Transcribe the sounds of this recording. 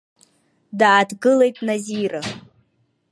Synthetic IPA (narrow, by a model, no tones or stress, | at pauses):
daːdɡɨle̞jtʼnaziɾa